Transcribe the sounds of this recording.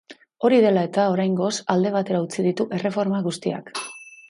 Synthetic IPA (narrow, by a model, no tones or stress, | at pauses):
o̞ɾið̞e̞lae̞t̪ao̞ɾajŋɡo̞sald̪e̞β̞at̪e̞ɾaut͡sið̞it̪uʔe̞re̞fo̞ɾmaɣust̪ia̰k